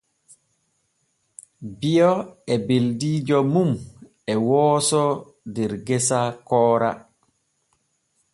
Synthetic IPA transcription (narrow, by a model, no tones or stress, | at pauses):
bijɔɛbeldiːd͡ʒɔmum | ɛwɔːsɔ | dɛɾɡɛsakɔːɾa̰